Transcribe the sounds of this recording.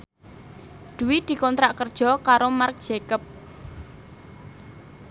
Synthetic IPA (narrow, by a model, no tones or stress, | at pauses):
d̪̥uwid̪̥i̤kɔnt̪ɾaʔkərd̥ʒ̥ɔ̤kaɾomark̚d̥ʒ̥ekəp̚